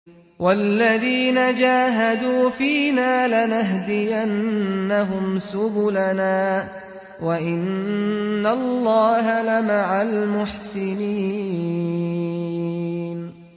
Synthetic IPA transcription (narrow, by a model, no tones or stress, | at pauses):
walːaðiːnad͡ʒaːɦad̪uːfiːnaːlanaɦd̪ɪjanːaɦʊmsʊbʊlanaː | waʔɪnː | alːɑːɦalamaʕalmʊħsɪniː | n